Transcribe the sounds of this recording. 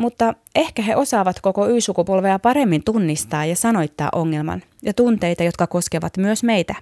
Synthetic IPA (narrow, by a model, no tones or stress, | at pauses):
mut̪ːɑ | e̞hkæɦe̞ʔo̞sɑːʋɑt̪ko̞ko̞yːsukupolʋeɑpɑɾe̞mːint̪unːist̪ɑːjɑsɑno̞jt̪ːɑ̰ːʔoŋːe̞lmɑ̰n | jɑt̪unt̪e̞jt̪ɑjo̞t̪kɑko̞skeʋɑ̰t̪myøsme̞jt̪æ